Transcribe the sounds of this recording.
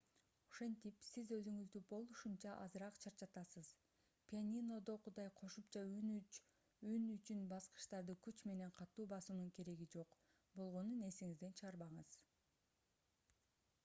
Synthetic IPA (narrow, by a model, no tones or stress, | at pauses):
oʃe̞nt̪ipsizø̞zyŋyzd̪ybo̞lˠuʃunt͡ʃɑʔɑzɯɾɑqt͡ʃʰɑɾt͡ʃɑt̪ɑsɯz | pʲianʲino̞d̪o̞qʰud̪ɑjqʰo̞ʃupt͡ʃɑn | ynyt͡ʃynbɑsqɯ̥ʃt̪ɑɾd̪ɯkyt͡ʃme̞ne̞ɴqʰɑt̪ːuːbɑsunuŋke̞ɾe̞ɡid͡ʒo̞q | bo̞lˠʁo̞nune̞siŋizd̪e̞nt͡ʃʰɯʁɑɾβɑɴɯz